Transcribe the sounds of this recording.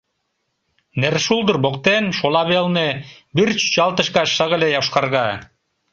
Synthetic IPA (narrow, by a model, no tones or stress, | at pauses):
neɾʃulˠd̪ɯɾboq̚t̪enʃolˠɑβelˠne | biɾt͡ʃy̥t͡ɕɑlˠt̪ɤ̆ʃkɑʃʃɤʁɘ̆lʲejɑwʃqɑɾʁɑ